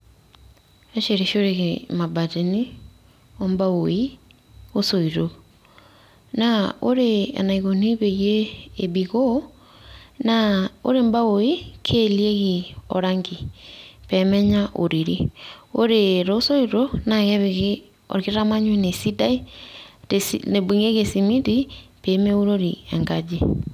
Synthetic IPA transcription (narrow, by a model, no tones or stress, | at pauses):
eʃeɾeʃoɾeɣemabateni | ombaoi | osoiɾo | naoɾea̰naiɣoniβejeːbiɣo | nao̰ɾembaoikʰelieɣiɔ̰ɾaŋɡipɛmɛɲaʔo̰ɾiɾioɾeɾosoiɾonaɣeβeɣ | ɔ̰ɾiɣeɾamaɲwenesidai | esnebiŋeɣesimitipemeuɾoɾiɛŋɡad͡ʒi